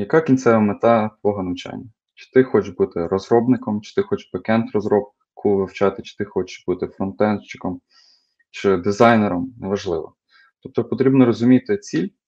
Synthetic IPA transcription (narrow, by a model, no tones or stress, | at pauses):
jɐkɑkʲinʲt̪sɛʋɐmet̪ɑt̪ʋɔɦɐnɐʋt͡ʃa̰nʲːɐ | t͡ʃɪ̥t̪ɪxɔt͡ʃbut̪ɪrɔzrɔbnɪkɔmt͡ʃɪ̥t̪ɪxɔt͡ʃpɐkɛnt̪rɔzɾɔb̚ | kʰuʋɪwt͡ʃɑt̪ɪt͡ʃɪ̥t̪ɪxɔt͡ʃɪ̥ʃbut̪ɪfɾɔnt̪ɛnʃt͡ʃɪ̥kɔm | t͡ʃɪd̪ɪzɑjneɾɔmnɛʋɐʒlˠɪʋɔ̰ | t̪ɔp̚t̪ɔpɔt̪ɾʲibnɔɾɔzʊmʲijt̪ɪt͡sʲilʲ